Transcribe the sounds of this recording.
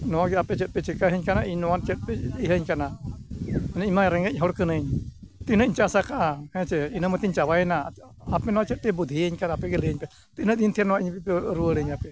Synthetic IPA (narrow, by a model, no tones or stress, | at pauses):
nɔwaɡɛapɛt͡ʃɛt̪̚pɛt͡ʃɛkaɦiɲkanaʔiɲnɔwat͡ʃɛt̪̚pɛiɦəɲkana | ɛnaimaɾɛŋɡəc̚ˀɦɔɽkənəɲt̪inəʔiɲt͡ʃasakahɛ̃t͡ʃɛinəmət̪iɲt͡ʃawajɛna | apɛnɔwat͡ʃɛt̪̚pɛbud̪ʱiəɲkanaapɛɡɛljəɲpɛ | t̪inəʔ̪int̪ʰijanɔwaʔiɲpɛpɛɾuəɽəɲapɛ